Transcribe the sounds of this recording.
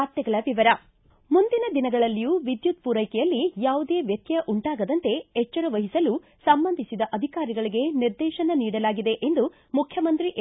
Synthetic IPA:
aːɾt̪jɐɡɐɭɐʋiʋɐɾɐ | mund̪inɐd̪inɐɡɐɭɐlːijuːʋid̪jut̪̚puːɾɐjkɛjɐlːijaːʋud̪e̞ːʋjɐt̪jɐʔuɳʈaːɡɐd̪ɐnt̪e̞ɛt͡ʃːɐɾɐʋɐɦisɐlu | sɐmbɐnd̪ʱisid̪ɐʔɐd̪ʱikaːɾiɡɐɭiɡe̞niɾd̪ɛːʃɐnɐniːɽɐlaːɡid̪e̞ʔend̪u | mukʰjɐmɐnt̪ɾiʔ

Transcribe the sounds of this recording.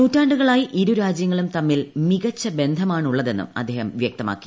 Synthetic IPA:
nuːtːaːɳɖuɣɐɭaːjiʔiɾuɾaːd͡ʑjɐŋːɐɭumt̪ɐmːilmiɣɐt͡ɕːɐbe̞nd̪ʱɐmaːɳuɭːɐðe̞nːṵmɐd̪ʱːe̞ːhɐmʋjɐk̚t̪ɐma̰ːkːi̥

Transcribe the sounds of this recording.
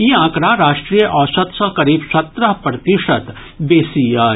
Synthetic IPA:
iːãːkɾaːɾaːʃʈɾiːjəʔɔːʃɐt̪sɐɦkɐɾiːbsɐt̪ɾəɦpɾɐt̪ɪʃət̪ | beːsijaː

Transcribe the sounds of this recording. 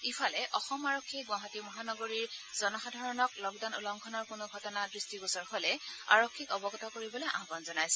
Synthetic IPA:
ipʰɔlɛʔɔxɔmaɹokʰːiɡwãɦatimɔɦanɔɡoɹiɹz̥ɔnɔxadʱaɹɔnɔklɔɡdanulɔŋkʰɔnɔɹkʊnoɡʱɔtɔnadɹistiɡɔsɔɹholɛa̰ɹokʰːikɔbɔɡɔtɔkoɹibɔlojʔa̰ɦbɔnzɔnajsɛ̥

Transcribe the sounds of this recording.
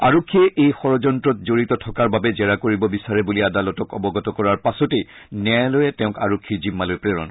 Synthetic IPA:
aɹokʰːiɛʔejxɔɹɔzɔntɹɔtzoɹitɔtʰɔkaɹbabɛzɛɹakoɹibɔbisaɹɛbuliadalɔtɔkɔbɔɡɔtɔkɔɹaɹpasɔtej | nɛjlojɛtɛʊ̃kaɹokʰːizimːalojpɹeɹɔ̰n

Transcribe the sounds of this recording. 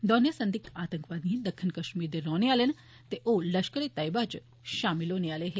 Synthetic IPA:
d̪ɔːnjəsɐ̃nd̪ikaːt̪ə̃ŋkʋaːd̪nĩd̪ɐkʰːinkɐʃmiːɾd̪eɾɔːneaːlen | t̪eʔolɐʃkəɾet̪ɐjbat͡ʃ | ʃaːmiloːneaːleɦe

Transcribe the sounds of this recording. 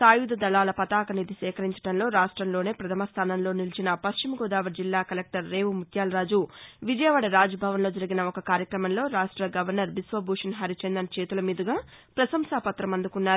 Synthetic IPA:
saːjud̪ɐd̪ɐlaːlɐpɐt̪aːkɐnid̪isɛːkɐɾiɲt͡ʃɐ̥ɽɐnlo̞ːɾaːʂʈɾɐmlo̞ːne̞ːpɾɐt̪ʰɐmɐst̪ʰaːnɐnlo̞ːnilɐt͡ʃinɐpɐʃt͡ʃimɐɡoːd̪aːʋɐɾd͡ʒilːaːkɐlek̚ʈɐɾːe̞ːʋumut̪jaːlɾaːd͡ʒuʋid͡ʒɐjɐʋɐɽɐɾaːd͡ʒɐbʱaːʋɐnlo̞ːd͡ʒɐɾiɡinɐɔkɐkaːɾjɐkɾɐmɐnlo̞ːɾaːʂʈɾɐɡɐʋɐɾnɐɾbisʋɐbʱuːʂɐnɦɐɾit͡ʃɐnd̪ɐnt͡ʃeːt̪ulɐmiːd̪ɐɡaːpɾɐsɐmsaːpɐt̪ɾɐmɐnd̪ukunːaːɾ

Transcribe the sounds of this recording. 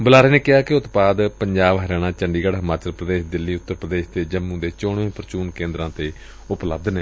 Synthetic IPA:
bʊlaːɾeːneːkɪɦaːkɪʊt̪baːd̪pəɲd͡ʒaːbɦəɾɛːñãːt͡ʃəɳɖiːɡəɽɦəmaːt͡ʃəlpɾəd̪eːʃd̪ɪlːiːʊt̪ːəɾpɾəd̪eːʃt̪eːd͡ʒəmũːd̪eːt͡ʃoːɳẽːpəɾət͡ʃuːnkẽːnd̪ɾãːt̪eː | ʊplə̰b̚d̪neː

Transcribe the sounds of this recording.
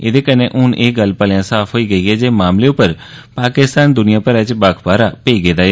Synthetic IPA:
ɪ̰d̪eːkəneʔʊnʔeːɡəlpəlɪjãːsaːpʰɦoːiːɡəiːɦɛːd͡ʒeːmaːmleːʊpəɾ | paːkɪst̪aːnd̪ʊnɪjãːpəɾət͡ʃbaːkʰbaːɾaːpeiːɡeːd̪aːe

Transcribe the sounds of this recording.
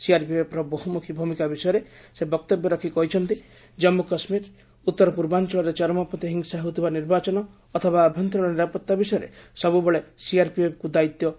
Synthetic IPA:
siaɾpiepɾɔboɦumukʰibʱumikabisɔjɔɾesebɔk̚t̪ɔbjɔɾɔkʰikɔɦit͡ʃʰɔnt̪i | d͡ʒɔmːukɔsmiɾ | ut̪ːɔɾɔpuɾbant͡ʃɔɭɔɾet͡ʃɔɾɔmɔpɔt̪iɦiŋsaɦewt̪ʰibaniɾbat͡ʃɔnɔː | t̪ʰɔbaːbʱjɔnt̪ɾɔɭ̃ɔniɾapɔt̪ːabisɔjɔɾḛsɔbubeɭesiaɾpiepkud̪ait̪jɔ

